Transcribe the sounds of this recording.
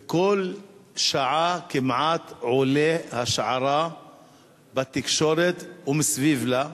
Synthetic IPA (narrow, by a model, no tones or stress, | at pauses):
kolʃaʕakimʕat̪ʕolehaʃʕaɾa | bat̪ikʃoɾet̪umsvivla